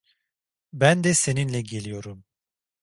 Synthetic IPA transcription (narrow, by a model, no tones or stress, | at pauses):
bænd̪ɛse̞ninlʲɛɟe̞lʲijo̞ɾum